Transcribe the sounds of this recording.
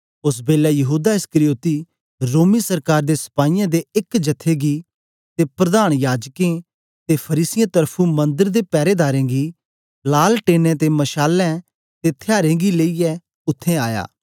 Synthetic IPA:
ʊs̬beːlɛjɐɦuːd̪aɪskɾijoːt̪i | ɾoːmisɐɾkaːɾd̪esɐ̥paːijãd̪eɪkd͡ʒɐt̪ʰːeːɡi | t̪epɾɐd̪aːɽ̃jaːd͡ʒkẽ | t̪epʰɐɾiːsɪjãt̪əɾpʰũmɐ̃nd̪əɾd̪epɛːɾeːd̪aːɾẽːɡi | laːlʈeːnɛ̃t̪emɐʃaːlɛ̃ | t̪et̪ʰeaːɾẽːɡileiɛ | ʊt̪ʰːẽa̰ːja̰ː

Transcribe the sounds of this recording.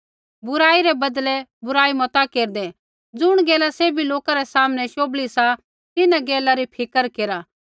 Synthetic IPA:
bʊɾaːiɾɛbɐd̪lɛbʊɾaːimɔt̪akeːɾd̪ɛ | d͡zʊɽ̃ɡɛːlaseːbiloːkaɾɛsaːməñɛʃoːblisa | t̪ɪnaɡɛːlaɾipʰɪkəɾkeːɾaː

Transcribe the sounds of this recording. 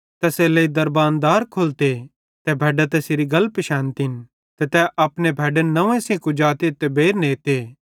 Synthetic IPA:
t̪ɛseleid̪ɐɾbaːnd̪aːɾkʰolt̪e | t̪ɛbʱɛːɖat̪̬ɛseɾiɡɐlpʃãːnt̪in | t̪ɛt̪ɛʔɐpnebʱɛːɖənɐʋẽsĩkũd͡ʒaːt̪et̪ɛbeːɾneːt̪eː

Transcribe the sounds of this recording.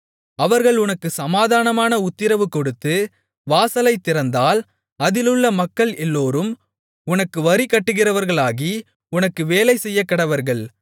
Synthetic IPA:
ɐʋɐɾɣɐɭʊnɐkːɯsɐmaːðaːnɐmaːnɐʊt̪ːɪɾɐʋɯkːɔɽɯt̪ːɯ | ʋaːsɐlɐɪt̪ːɪɾɐnd̪aːl | ɐðɪlɯɭːɐmɐkːɐɭɛlːoːɾɯm | ʊnɐkːɯʋɐɾikːɐʈːɯɣɪrɐʋɐɾɣɐɭaːɣi | ʊnɐkːɯʋeːlɐɪsɛjːɐkːɐɽɐʋɐɾɣɐɭ

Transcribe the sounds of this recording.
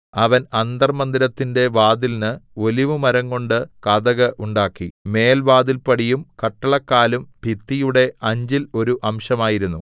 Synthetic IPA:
ɐʋɐnɐnd̪ɐrmɐnd̪iɾɐt̪ːinde̞ʋaːd̪ilnɨo̞liʋɨmɐɾɐŋko̞ɳɖɨkɐðɐɣɐʔuɳɖaːkːime̞ːlʋaːd̪ilpɐɽijumkɐʈːɐɭɐkːaːlumpit̪ːijuɽe̞ɐɲd͡ʑilo̞ɾuʔɐmʂɐmaːjiɾunːu

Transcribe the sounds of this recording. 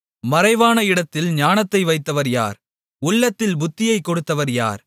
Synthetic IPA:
mɐɾɐɪʋaːnɐɪɽɐt̪ːɪlɲaːnɐt̪ːɐɪʋɐɪt̪ːɐʋɐɾja̰ːɾ | ʊɭːɐt̪ːɪlbʊt̪ːɪjɐɪkːɔɽɯt̪ːɐʋɐɾja̰ːɾ

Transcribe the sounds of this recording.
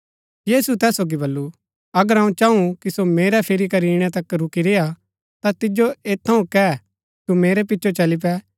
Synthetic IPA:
jiːsut̪ɛːsoːɡibɐlːu | ɐɡəɾɦɐ̃ːũt͡ʃãːũkisomeːɾɛpʰɪɾikɐɾiːɽ̃ɛt̪ɐkɾʊkiɾeːa | t̪at̪ɪd͡ʒoeːt̪ʰːɐũkɛ | t̪umeːɾɛpɪtːʃʰot͡ʃɐlip̬ɛ

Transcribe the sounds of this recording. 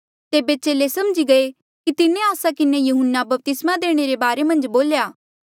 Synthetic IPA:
t̪eːbet͡ʃeːlesɐmd͡ʒiɡɐe | kit̪ɪnẽaːsakɪnejuɦʊnːabɐp̚t̪ɪsmad̪eːɽ̃eɾebaːɾemɐ̃nd͡ʒboːljaː

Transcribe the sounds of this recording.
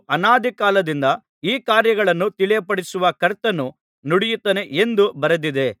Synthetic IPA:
ɐnaːd̪ʱikaːlɐd̪ind̪ɐ | iːkaːɾjɐɡɐɭɐnːut̪iɭɛjɐpɐɽisuʋɐkɐɾt̪ːɐnːu | nuɽijut̪ːɐneʔend̪ubɐɾɐd̪id̪e̞

